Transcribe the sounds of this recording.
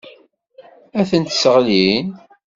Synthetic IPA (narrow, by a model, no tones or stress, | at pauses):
æθənt̪səʁlin